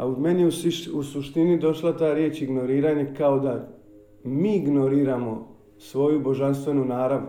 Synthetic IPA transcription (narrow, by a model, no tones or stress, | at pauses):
aud̪me̞nusuʃt̪inid̪o̞ʃlat̪aːɾjet͡ʃiɡno̞ɾiːɾaːɲekao̞d̪a | miːɡno̞ɾiːɾamo̞ | sʋo̞jubo̞ʒanst̪ʋe̞nunaːɾaʋnu